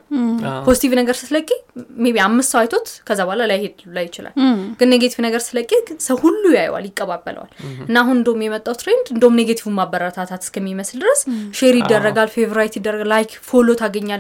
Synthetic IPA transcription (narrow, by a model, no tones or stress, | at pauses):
pʰo̞zit̪ʰivnəɡəɾsɨ̥ləkʼːemeβiamːɨst̪sawajt̪ʰo̞t̪kʰəzːabalalajhed̪lajːɪt͡ʃɪla̰lɡ̥ɨnːeɡet̪ʰivnəɡəɾsɨləkʼːesəwhulːujaj̰wa̰ljɪkʼːəβabːə̰lə̰wa̰lɨnːaɦunɨnd̪əwumjɛmət̪ʼːawt̪ʰɾe̞nd̪ɨnd̪əwumneɡet̪ʰivumːabːəɾət̪ʰat̪ʰat̪ɨ̥skʰəmːiməsld̪ɨɾəsʃeɾjɪd̪ːərːəɡalfevoɾajt̪jid̪ːərːəɡlajkfolot̪ʰaɡəɲːal